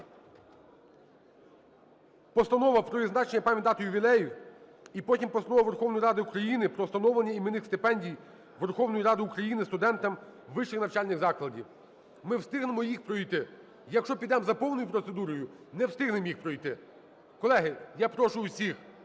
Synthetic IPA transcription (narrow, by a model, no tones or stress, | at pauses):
pɔst̪ɐnɔʋɐpɾɔʋʲiznɑt͡ʃenʲːɐpɑmʲitd̪ɑt̪ʊjʊbʲilˠɛjiw | ipɔtʲimpɔst̪ɐnɔʋɐʋerxɔwnɔjiɾɑd̪ɪukɾɐjinɪpɾɔst̪ɐnɔʋlˠɐnʲːɐimenɪxst̪ɪpɛnʲdʲij | ʋerxɔwnɔjiɾɑd̪ɪukɾɐjinɪst̪ʊd̪ɛnt̪ɐmʋɪʃɪxnɐwt͡ʃɑlʲnɪɣzɑklˠɐdʲiw | mɪwst̪ɪɦnemɔjixpɾɔijt̪ɪ | jɐkʃt͡ʃɔpʲid̪ɛmzɐpɔwnɔjʊpɾɔt̪sed̪uɾɔjʊ | nɛwst̪ɪɦnemjixpɾɔijt̪ɪ | kɔlˠɛɦɪjapɾɔʃʊːsʲix